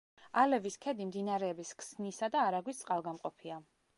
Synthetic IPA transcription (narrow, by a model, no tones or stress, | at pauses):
alɛviskʰɛd̪imd̪inaɾɛːbiskʰsnisad̪aːɾaɡwist̪sʼqʼalˠɡamqʼɔpʰia